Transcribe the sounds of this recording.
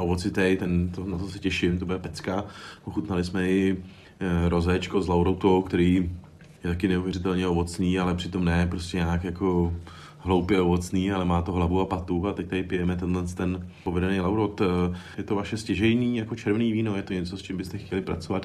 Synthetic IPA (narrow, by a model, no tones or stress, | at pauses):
ʔovot͡sɪt̪ɛjt̪ɛnt̪onat̪osɛcɛʃɪmt̪obʊdɛpɛt͡skaʔoxut̪nalɪsmɛɪ | ɾo̞zɛt͡ʃkozlawɾowt̪owkt̪ɛɾiː | jɛt̪akɪnɛuvjɛɾɪt̪ɛlɲɛovo̞t͡sniːalɛpr̝̥ɪt̪o̞mnɛːpɾo̞scɛɲaːkjako̞ | ɦlowpjɛovo̞t͡sniːalɛmaːt̪oɦlavuapat̪uat̪ɛc̚t̪aɪpɪjɛmɛt̪ɛnlɛnst̪t̪ɛnpo̞vɛdɛnejlawɾowt̪jɛt̪o̞vaʃɛscɛʒɛjniːjakot͡ʃɛɾvniːviːno̞jɛt̪oɲɛt͡so̞st͡ʃɪmbɪst̪ɛxcɛlɪpɾa̰t͡so̞vat̪